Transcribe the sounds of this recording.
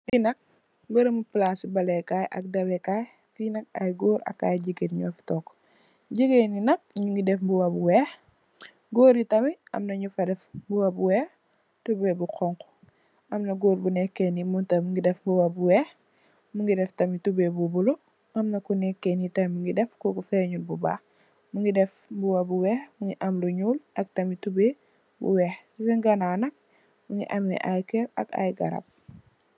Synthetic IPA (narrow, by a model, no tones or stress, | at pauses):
binɐk̚ | bɐɾɐmuplasibɐlɛkajʔɐ̰k̚dɐbɛkaːj | finɐkɐ̰jɡoːɾɐ̰kːa̰ːjɟiɡeɾɲɔːfi̥tɔːkː | ɟiɡeninɐk̚ɲuŋɡidɛfbuwɐbuwɛːx | ɡoːɾitɐmiɐ̰mnɐɲufɐdɛfbuwɐbuwɛːx | tubɛbuqʰɔŋkɔ̥ | ʔɐmnɐɡoːɾbunɛkːɛnimuntɐmŋɡidɛfbuwɐbuwɛːx | muŋɡidɛftɐmitubebubulu | ʔɐmnɐkunɛkːɛnitɐjmuŋɡidɛfkɔkufɛɲulbubaː | muŋɡidɛfbuwɐbuwɛːxmuŋɡiʔɐmluɲuːlʔɐk̚tɐmitube | bṵwɛxsifɛŋɡɐnaːnɐk̚ | muŋɡḭʔɐmɛ̰ʔajkɛɐ̰ka̰jɡɐ̰ɾɐ̰p̚